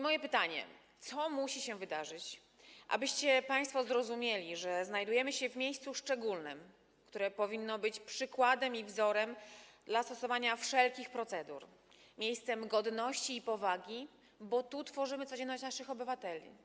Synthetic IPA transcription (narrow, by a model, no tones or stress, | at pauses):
mɔjɛpɘt̪aɲɛ̰t̪sɔmuɕiɕɛvɘd̪aʐɘt͡ɕ | ʔa̰bɘɕt͡ɕɛpaj̃st̪fɔzɾɔzumʲjelʲiʐɛznajd̪ujɛmɘɕɛvmʲjejst̪suʂt͡ʂɛɡulnɘ̰m | kt̪uɾɛpɔvʲinːɔbɘt͡ɕpʂɘkwad̪ɛmivzɔɾɛmd̪last̪ɔsɔvaɲafʂɛlkʲixpɾɔt̪sɛd̪ṵɾ | mʲjejst̪sɛmɡɔd̪nɔɕt͡ɕiːpɔvaɡʲi | bɔt̪ut̪fɔʐɘmɘt̪sɔd͡ʑɛnːɔɕt͡ɕnaʂɘxɔbɘvat̪ɛlʲḭ